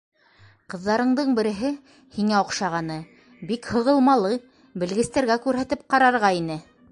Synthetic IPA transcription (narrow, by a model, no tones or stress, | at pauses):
qɤ̆ðːɑɾɤ̆ɴd̪ɤɴbɘ̆ɾɘ̆ɦɘ | hiŋæŏqʃɑʁɑnɤ | bikhɤ̆ʁɤ̆lˠmɑlˠɤ | bɘ̆lɡɘ̆st̪æɾɡækʉɾɦæt̪ɘp̚qɑɾɑɾʁɑinɘ